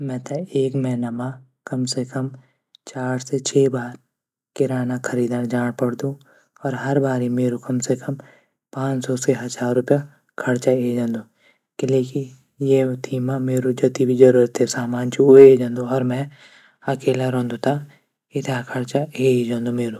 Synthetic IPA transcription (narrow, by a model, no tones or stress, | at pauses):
mɛ̃ːt̪aeːkmɛ̃ːnɐma | kɐmsekəm | t͡ʃaːɾset͡ʃʰeːbaːɾ | kɪɾaːnakʰɐɾiːd̪aːɾd͡ʒaːɽ̃pɐɽd̪ũ | ɔːɾɦɐɾbaːɾimeːɾukɐmsekɐm | pãːt͡ʃsɔseɦɐd̪zaːɾːʊpja | kʰɐɽt͡ʃaeːd͡ʒãːnd̪ũː | kɪleːkĩ | jet̪ʰiːmameːɾod͡ʒɐt̪ibʱid͡ʒɐɾuːɾət̪ːesaːmaːnt͡ʃiueːd͡ʒãːnd̪uɔːɾmɛ̃ | ɐkeːlaɾɔ̃ːnd̪ũt̪ʰa | ɪt̪ʰakʰɐɽt͡ʃaeid͡ʒãːnd̪õmeːɾoː